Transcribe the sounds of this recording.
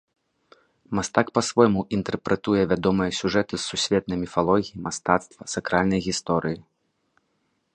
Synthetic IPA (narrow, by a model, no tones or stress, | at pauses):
mast̪akpɐsvɔjmuʔint̪ɛrpɾɛt̪ujɛvʲad̪ɔmɨjɐsʲuʐɛt̪ɨsːusʲvʲɛt̪̚nɐjmʲifalˠɔɣʲijimast̪at̪st̪vɐsakɾalʲnɐjɣʲist̪ɔɾɨji